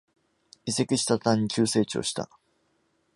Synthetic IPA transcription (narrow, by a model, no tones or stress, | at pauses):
ise̞kʲiɕi̥t̪at̪ãɲ̟ːikʲɨːse̞ːt͡ɕio̰ɕi̥t̪a̰